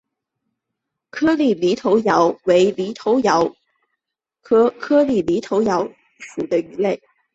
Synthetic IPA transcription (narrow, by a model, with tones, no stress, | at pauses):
kʰɤ˥li˥˩li˧˥t̪ʰo˧˥ʊjɑ˧˥ʊwe˧˥ɪli˧˥t̪ʰo˧˥ʊjɑ˧˥ʊ | kʰɤ˥kʰɤ˥li˥˩li˧˥t̪ʰo˧˥ʊjɑ˧˥ʊ | ʂu˨˩d̪ə˦y˧˥le˥˩ɪ